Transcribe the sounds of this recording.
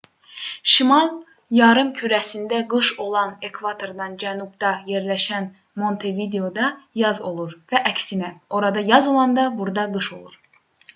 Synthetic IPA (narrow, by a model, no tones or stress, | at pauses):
ʃimɑlˠ | jɑɾɯmcʰyɾæsind̪æɡɯʃo̞lˠɑne̞kʰvɑt̪ʰo̞ɾd̪ɑnd͡ʒænubd̪ɑje̞ɾlæʃæn | mo̞nt̪ʰevid̪eo̞d̪ɑjɑzo̞lˠuɾvæʔæcsinæo̞ɾɑd̪ɑjɑzo̞lˠɑnd̪ɑbuɾd̪ɑɡɯʃo̞̰lˠuɾ